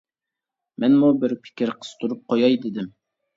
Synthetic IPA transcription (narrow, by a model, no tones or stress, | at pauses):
mɛnmubɪɾpʰɪ̥kʲʰɪɾqʰə̥z̥t̪ʰuɾup̚qʰojɑjd̪ɪd̪ɪm